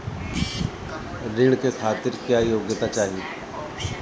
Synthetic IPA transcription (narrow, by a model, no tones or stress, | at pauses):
ɾɪɽkʰeːkʰaːt̪ɪɾkjaːjoːɡjət̪at͡ʃaːɦii